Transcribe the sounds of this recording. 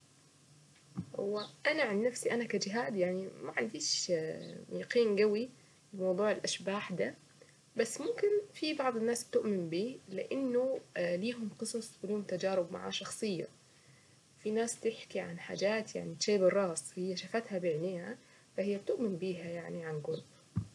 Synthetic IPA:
hʊ̰wːaʔanaʕanːnafsiʔanakad͡ʒɪɦaːd̪jaʕnimaʕand̪iːʃ | jɑqiːnɡawi | bɪlmɑwðˤuːʕɪlʔaʃbaːħd̪a | basːmʊmkɪnfibɑʕd̪ˤɪnːaːsb̚t̪ʊʔmɪmbiːlɪʔɪnːʊliːɦʊmqɨsˤɑsˤwɪliːhʊmt̪ad͡ʒaːɾɪbma̰ʕa̰ːʃɑxsˤɨjːa̰ | wfinaːst̪ɪħkiʕa̰nħa̰ːd͡ʒaːt̪ja̰ʕnit̪ʃaːbɨrˤːɑːsˤhɪjːaʃafat̪habeʕniːha | fahɪjːab̚t̪ʊʔmɪnbiːɦajaʕniʕanɡʊlb

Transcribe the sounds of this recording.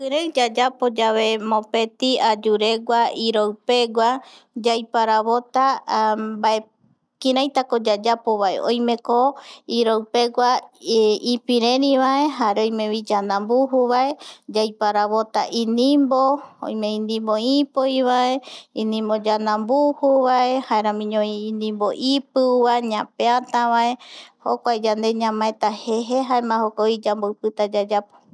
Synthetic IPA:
kɨɾewd͡ʒad͡ʒapod͡ʒaβe̞mõpet̪iad͡ʒuɾeɡʷaiɾowpeɡʷa | d͡ʒajpaɾaβot̪a | bae | kĩɾajt̪akod͡ʒad͡ʒapoβaḛʔo̰jmẽ̞koiɾowpeɡʷa | ipiɾẽɾĩβae̞ɦaɾeojmẽβid͡ʒanãmbuɦuβaed͡ʒajpaɾaβot̪a̰ʔinĩmboõ̰jmẽĩnd̪ĩmboipojβaeĩnĩmbod͡ʒanãmbuhuβaehaeɾãmĩɲõiːnĩmboʔipɨuβaɲãpeat̪aβaehokʷaed͡ʒand̪e̞ɲãmãet̪aheɦeɦaemãhokoid͡ʒambowpɨt̪ad͡ʒad͡ʒapo̥

